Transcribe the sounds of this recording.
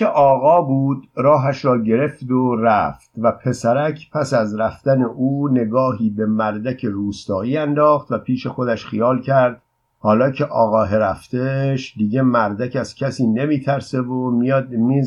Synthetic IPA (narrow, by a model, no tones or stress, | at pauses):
eʔɒːɣɒːbuːd̪ɾɒːɦæʃɾɒːɟe̞ɾe̞fd̪oræ̰ft̪væpʰe̞sæɾæcʰpʰæsæzɾæfd̪̥æne̞ʔuːne̞ɡɒːɦiːbe̞mæɾd̪æcʰe̞ɾuːst̪ɒːiːænd̪ɒːxt̪væpʰiːʃe̞xo̞d̪æʃxijɒːlcʰæɾd̪̥̚ | hɒːlɒːcʰe̞ʔɒːɣɒːɦeɾæft̪eʃd̪iːɟe̞mæɾd̪æcæz̥cʲʰæsiːne̞miːt̪ʰæɾse̞vomiːd̪̚miː